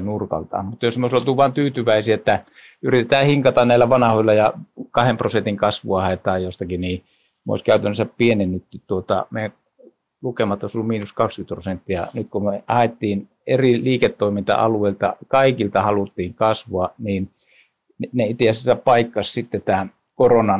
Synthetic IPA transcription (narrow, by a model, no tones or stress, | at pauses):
nurkɑ̰lt̪ɑ̰ːmmut̪ːˑɑjosmeoˑisolt̪uʋʋɑːnt̪yːt̪yʋæˑisiæet̪ːæ | yrit̪et̪æːhiŋkɑt̪ɑnnæilːæʋɑnɑhoilːɑjɑkɑhemprosent̪iŋkɑsʋuɑhɑet̪ˑɑːjjost̪ɑkiniː | mo̰ˑiskæˑyt̪ænːˑøsæppienenːyt̪ːitt̪uot̪ɑ̰meˑjæ | lukemɑet̪ːˑoˑisolːumiːnuskɑkskyt̪prosent̪ːijɑ̰nyt̪kumeʔɑhet̪ːiːn | eriliːket̪ːoˑimint̪ɑ̰ʔɑ̰lueˑilt̪ɑ̰kɑˑikilt̪ɑhɑlut̪ːiːŋkɑsʋoɑniːn | nneˑit̪eæsesːæpɑˑikːɑssit̪ːet̪æːn | koronɑn